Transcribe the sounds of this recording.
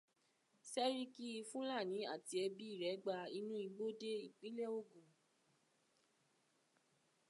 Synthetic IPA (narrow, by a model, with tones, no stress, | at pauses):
sɛ˦ɾi˦ki˦i˧fũ˦la˦˨nĩ˨˦a̰˦˨ti˧ɛ˧bi˦i˦˨ɾɛ˨˦ɡ͡ba˧i˧nũ˦i˧ɡ͡bo˦de˦i˦˨k͡pĩ˨˦le˦o˦ɡũ˨